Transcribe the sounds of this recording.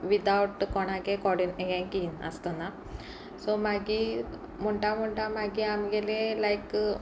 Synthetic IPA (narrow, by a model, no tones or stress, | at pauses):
ʋid̪ɐwʈkoɳaɡekoɖineɡenkina̰st̪ɐna | somaɡi | muɳɖamuɳɖamaɡiamɡelelɐjk